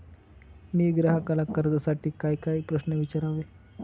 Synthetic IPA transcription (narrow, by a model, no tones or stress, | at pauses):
miːɡɾaɦəkalakəɾd͡zəsaʈiːkaikaiːpɾəsnəʋit͡ɕaɾaʋe